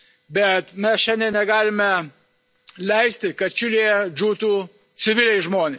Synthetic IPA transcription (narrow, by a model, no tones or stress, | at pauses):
bʲɛt̪mʲɛsʃʲɛnʲd̪ʲɛnʲɛɡɑːlʲɪmʲɛ | lʲɛɪsʲt̪ʲɪkɐt̪̚t͡ʃʲʊlʲijɛd͡ʒuːt̪uː | t͡s̪ʲɪʋʲɪlʲɛɪʒmoːnʲe